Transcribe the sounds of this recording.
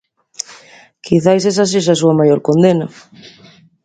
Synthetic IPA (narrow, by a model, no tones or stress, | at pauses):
kʰiθajs̬esas̬is̬as̬uɐmajoɾkond̪enɐ